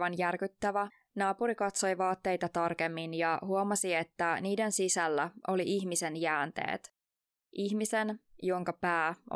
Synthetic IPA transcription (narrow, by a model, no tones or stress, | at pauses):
ɑnjærkyt̪ːæʋæ | nɑːpuɾikɑt̪so̞jʋɑːt̪ːe̞jt̪ɑt̪ɑrke̞mːinjɑɦuomɑsie̞t̪ːæniːdensisælːæʔo̞liʔiçmisenjæːnt̪ḛːt̪ | ʔiçmisenjo̞ŋkɑpæː